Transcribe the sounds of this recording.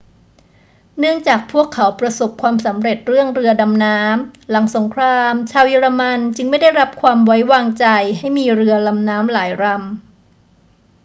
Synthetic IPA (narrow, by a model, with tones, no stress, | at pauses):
nɯ˥˩əŋt͡ɕaː˨˩k̚pʰu˥˩əkʰːa˩˦wpɾa˧so˨˩p̚kʰwaː˧msa˩˦mɾe˨˩t̪̚ɾɯ˥˩əŋɾɯ˧ɐda˧mnaː˦˥mla˩˦ŋso˩˦ŋkʰɾaː˧mt͡ɕʰaː˧wji˧ɾa˧ma˧nt͡ɕɯ˧ŋma˥˩jda˥˩jɾa˦˥p̚kʰwaː˧mwa˦˥jwaː˧ŋt͡ɕa˧jha˥˩jmiː˧ɾɯ˧ɐla˧mnaː˦˥mlaː˩˦jɾa˧m